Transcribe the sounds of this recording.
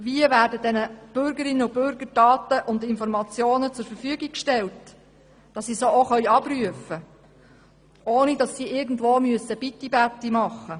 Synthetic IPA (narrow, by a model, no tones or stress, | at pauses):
ʋiəvæːɾdədɛnəb̥ʏɾɡəɾɪnːəʊbʏɾɡəɾd̥ɑːtəʔʊndɪnfɔɾmɑt͡sjoːnət͡sʊɾfəɾfyəɡikʃtɛlt | d̥ɑssisoːoχœʏɑb̥ɾyəfə | ʔoːnidɑsːiʔɪɾɡn̩dʋoːmyəsəb̥it̪ːibætːimɑχːə